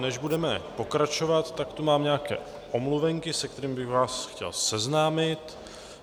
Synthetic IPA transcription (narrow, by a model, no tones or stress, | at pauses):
nɛʒbudɛmɛpo̞kɾat͡ʃo̞vat̪ːakt̪umaːmɲɛakɛ̰ː | ʔomluvɛŋkɪsɛk̚t̪ɛɾiːmbɪxvaːsxcɛ̰lsɛznaːmɪt̪